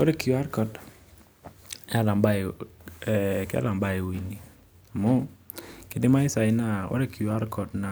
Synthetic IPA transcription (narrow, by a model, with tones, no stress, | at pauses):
o˦ɾe˦kju˨a˦ɾkɔ˨t | ɛ˦a˦˨la˨mba˦˨ | ka̰˦la˨mba˦ɪ˨wi˨ni˨ | mɔ˦ | kɪ˨dɪ˦ma˦ɪ˦sa˨ɪ˦na˦ɔ̰˦ɾe˦kʰi˨u˨a˦ɾkɔ˨tna˨